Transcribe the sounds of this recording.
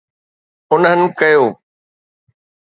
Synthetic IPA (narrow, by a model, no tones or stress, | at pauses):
ʊnənɪ̆kɐjoː